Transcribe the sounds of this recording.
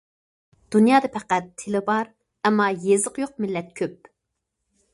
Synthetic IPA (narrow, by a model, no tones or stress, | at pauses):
d̪̥unjɑːd̪ɨpʰæqæt̪ʰːɪlɪbɑɾ | ɛmːɑjezəqjoq̚mɪlːɛt̪̚kʲʰøp̚